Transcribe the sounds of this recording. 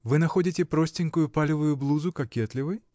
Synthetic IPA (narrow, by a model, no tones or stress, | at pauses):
vɨnaxɔdʲit͡sʲɛpɾɔsʲtʲinkʊjʊpalʲɪvʊjʊblˠuzʊkakʲɛt̪lʲɪvɨj